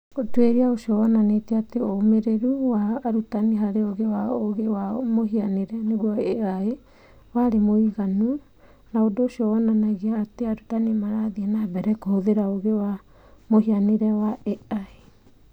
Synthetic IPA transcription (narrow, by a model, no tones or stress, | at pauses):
otweɾiaoʃiɔwɔnaneteateomeɾeɾuwaːɾutaniɦaɾeoɣewaoɣewamoɦianeɾɛneɣuaeae | waɾemoiɣanu | naodoːʃiɔwɔnanaɣeaːteaɾutanimaɾaðiɛnabɛɾɛkohoðeɾaoɣewa | mohianeɾɛwaɛae